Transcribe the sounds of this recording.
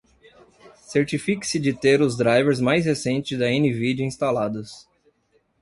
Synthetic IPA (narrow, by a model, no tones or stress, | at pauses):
seɾt͡ʃifikɪ̥sɪd͡ʒɪt̪eɾʊzd̪ɾajveɾzmajshesẽnt͡ʃɪzd̪ɐẽnɪved͡ʒɪĩst̪alad̪ʊs